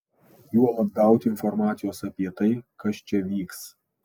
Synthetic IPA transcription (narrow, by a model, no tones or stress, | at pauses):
juɔlˠɐd̪̚ɡɐˑʊt̪ʲɪɪnfɔɾmɑːt̪sʲɪjoːsɐpʲiɛt̪ɐɪkɐst͡ʃʲɛʋʲiːks